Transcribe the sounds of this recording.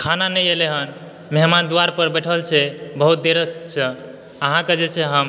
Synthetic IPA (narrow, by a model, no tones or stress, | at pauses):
kʰananəjeleɦən | meɦmand̪uaɾpəɾbɛʈʰəlt͡ʃʰɛbəɦut̪̚d̪eɾəkt͡ʃʰɛ | əɦãked͡ʒet͡ʃʰɛɦəm